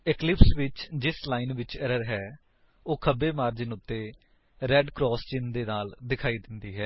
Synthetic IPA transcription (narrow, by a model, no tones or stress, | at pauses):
ɪklɪpsʋɪt͡ʃd͡ʒɪslaːinʋɪt͡ʃɛɾəɾɦɛː | oːkʰəbeːmaːɾd͡ʒɪnʊt̪ːeː | ɾɛːɖkɾɔːst͡ʃɪnd̪eːnaːld̪ɪkʰaːiːd̪ɪnd̪iːɦɛː